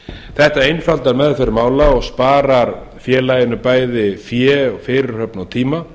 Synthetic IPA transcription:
θɛht̪aejnfalt̪aɾmɛðfɛɾɪɾmaːwlaɔɣspaːɾaɾ | fjɛːlajɪnʏpaːjðɪfjɛɔɣfɪːɾɪɾ̥hœpnawt̪ʰiːma

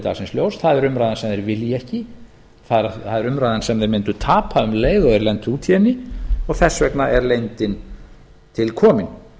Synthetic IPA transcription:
t̪a̰ːɣsɪnsljoːwsθaðɛɾʏmɾajðansɛmðeɾvɪljɛhcɪ | θaðɾθaðɛɾʏmɾajðansɛmðejɾmɪnt̪ʏt̪ʰaːpʰaʏmleːjɣɔɣɛɾlɛnt̪uːt̪ʰjɛnɪɔɣθɛsːvɛknaʔɛɾlejnt̪ɪn | t̪ʰɪlkʰɔːmɪn

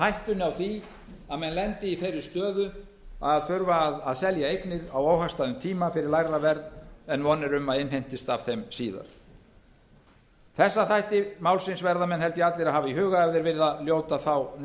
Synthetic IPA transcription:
hajht̪ʏnawθi | aðmɛnlɛnt̪ɪiθejɾʏst̪œːðʏ | aðfʏɾvaːðaðsɛljaejknɪɾawoːwɦḁst̪aðʏmt̪ʰiːmafɪɾɪɾlajravɛɾt̪nɛnvɔnːɪɾʏmaðɪnɦejn̥t̪ɪst̪av̥θejmsiːða̰ɾ̥ | θɛsːaθajht̪ɪmaːwlsɪnsvɛɾðamɛnhɛlt̪jɪat̪lɪɾahaːvaiɦʏːɣaɛvðɪɾvɪɾðaljoːwt̪aθaw

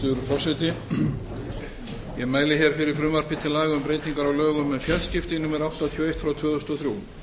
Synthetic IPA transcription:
ʏɾfɔr̥sɛt̪ɪ | jɛmaːjlɪçɛɾ̥fɪɾɪɾ̥fɾʏːmaɾ̥pɪt̪ʰɪlːaːjɣʏmpɾeːjt̪iŋkaɾawlœːɣʏmɛðfjɛlscɪft̪ɪnuːmɛɾawht̪at̪ʰjɔwejht̪fɾawt̪ʰvœːðʏst̪ɔθɾjuː

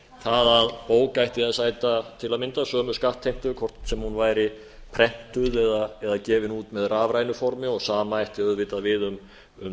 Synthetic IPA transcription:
θaðaðpoːwkajht̪ɪaðsaːjt̪at̪ʰɪlaðmɪnt̪asœːmʏskaht̪ʰːejm̥t̪ʏkʰɔr̥t̪sɛmhunvaːjɾɪ | pʰɾɛn̥t̪ʏðɛðaɛðacɛːvɪnuːt̪mɛðraːvɾaːjnʏfɔɾmɪɔɣsaːmaajht̪ɪœðvɪt̪aðvɪðʏm | ʏm

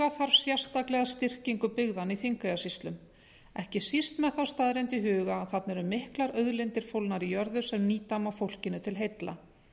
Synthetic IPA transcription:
aθaɾvsjḁst̪aklɛɣast̪ɪr̥ciŋkʏpɪɣðaniθiŋkajasist̪lʏm | ɛhcɪsir̥t̪mɛðθawst̪aðɾɪnt̪ɪɦʏːɣaθat̪nɛɾʏmːɪhklaɾœðlɪnt̪ɪɾ̥fowlnaɾijœɾðʏsɛmniːt̪amawfowl̥cɪnʏt̪ʰɪlɦejt̪la̰

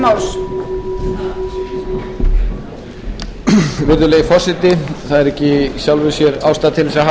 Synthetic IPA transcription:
maws | vɪɾðʏleːjɪfɔr̥sɪt̪ɪθaðɛɾɛhcɪɕjawlvɪsjɛɾaːwst̪aðt̪ʰɪlːɪsɾaɦa

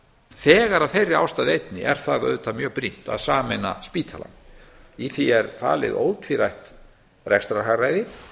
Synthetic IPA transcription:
θɛːɣaɾaðθejrːɪa̰wst̪aːðɪejt̪nɪ̰ʔɛɾ̥θaðœ̰ðt̪ʰamjœːɣpɾin̥t̪a̰ðsaːmɛna̰spiːt̪ʰala̰niθiɛɾfa̰ːlɪ̰ðo̰ːwt̪ʰviɾajht̪ | rɛkst̪ɾaɦaɣrajðɪ

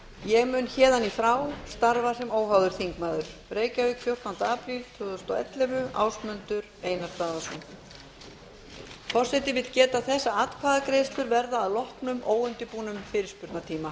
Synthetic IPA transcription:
jɛɣmʏːnçɛːðanifɾaːwst̪aɾvasɛmoːwɦawðʏɾ̥θiŋkmaːðʏɾ̥pɾeːjcavɪkʰfjow̥t̪ant̪aːpɾilt̪ʰvʏːðʏst̪ɔ̰ɛ̰t̪lɛvʏa̰ːwsmʏnt̪ʏɾeːjnast̪aːðasɔn | fɔr̥sɛt̪ɪvɪðcɛːt̪aθɛsːaat̪kʰaːðakɾejst̪lʏɾvɛɾðaːðlɔhknʏmʔoːwʏnt̪ɪpuːnʏmfɪːɾɪɾ̥spʏɾt̪nat̪ʰiːma

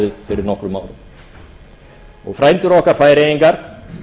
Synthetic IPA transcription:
ʏðfɪɾɪɾnɔhkɾʏmaːwɾʏ | ɔɣfɾaːjnt̪ʏɾɔhkaɾ̥faːjɾejiŋkaɾ̥

